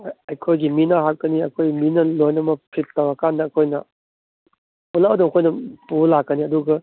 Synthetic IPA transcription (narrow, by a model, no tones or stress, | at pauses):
ɐjkʰojɡiminɐɦak̚ːɐniɐ̰kʰojminɐlojnɐmɐpʰɾit̚tawɐkanːɐːkʰojnɐ̰ | ulawɐdumɐkʰojnɐpulakːɐniɐduɡɐ